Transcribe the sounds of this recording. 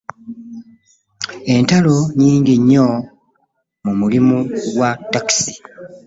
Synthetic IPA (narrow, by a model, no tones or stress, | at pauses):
e̞ntalo̞ɲiːɲɟiɲːo | mumulimuɡwatːaksi̥